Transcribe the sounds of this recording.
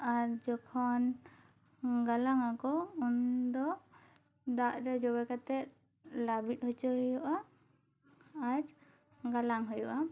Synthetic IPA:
aɾd͡ʒɔkʰɔn | ɡalaŋakɔund̪ɔ | d̪aʔɾɛd͡ʒɔbɛkat̪ɛt̪̚ | labit̪̚hɔt͡ʃɔɦɔjɔʔa | aɾ | ɡalaŋɦɔjɔʔa

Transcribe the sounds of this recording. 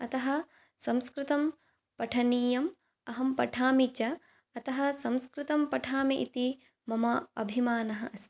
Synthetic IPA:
ɐt̪ɐɦɐ̆ | sɐ̃mskɾɪt̪ɐm | pɐʈʰɐniːjɐm | ɐɦɐmpɐʈʰaːmit͡ʃɐ | ɐt̪ɐɦɐ̆sɐ̃mskɾɪt̪ɐmpɐʈʰaːmiʔit̪i | mɐmɐɐ̰bʱimaːnɐɦɐ̆ʔɐst̪i̥

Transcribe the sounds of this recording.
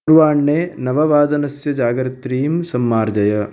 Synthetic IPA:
ɾʋaːɳːeːnɐʋɐʋaːd̪ɐnɐsjɐd͡ʒaːɡɾɐt̪ɾiːmsɐmːaːɾd͡ʒɐjɐ

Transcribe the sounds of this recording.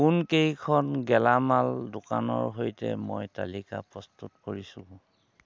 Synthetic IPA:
kunkejkʰɔnɡɛlamaldʊkanɔɹɦojtɛ̰mojta̰lika̰pɹɔstutkoɹisʊ̃

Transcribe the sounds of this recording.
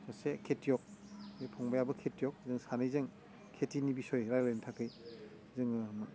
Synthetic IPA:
sɔsekʰetjɔk̚epʰɔŋbajabɯkʰetjɔk̚zɯŋsanɯjzɯŋ | kʰetinibisɔjɾajlejntʰakɯj | zɯŋɯm

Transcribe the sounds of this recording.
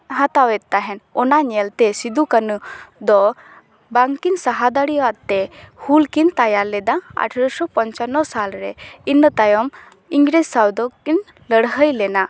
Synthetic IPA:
ɦat̪awɛt̪̚t̪aɦɛnɔnaɲɛlt̪ɛsid̪ukənud̪ɔ | baŋkinsaɦad̪aɽiwat̪ɛhulkint̪ajaɾlɛd̪aa̰ʈʰəɾɔsɔpɔɲt͡ʃanɔsalɾɛ̰inːət̪ajɔm | iŋɡɾessawd̪ɔkin | ləɽɦəjlɛna

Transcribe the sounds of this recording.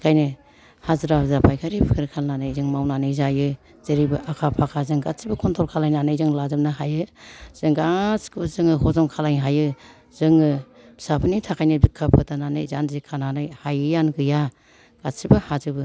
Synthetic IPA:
kʰajnɯ | hazɾazapʰajkʰaɾipʰɯɾkʰalnanɯjzɯŋmawnanɯjzajɯ | z̥ɯɾibɯʔakʰapʰakʰazɯŋɡatsibɯkʰɔntʰɔlkʰalajnanɯjzɯŋlazɯmnaɦajɯz̥ɯŋɡaskɯzɯŋɯɦɔzɔmkʰalajnɦajɯ | z̥ɯŋɯ̥ | sapʰɯnitʰakʰajnɯbikʰːapʰɯtananɯ̰jzanzikʰːananɯjhajɯjanɡɯja | ɡ̥asibɯhazɯbɯ

